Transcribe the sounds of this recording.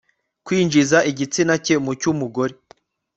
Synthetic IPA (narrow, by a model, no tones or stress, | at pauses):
kwiːnd͡ʒizaiɟit͡sinace̞mucumuɡo̞ɾe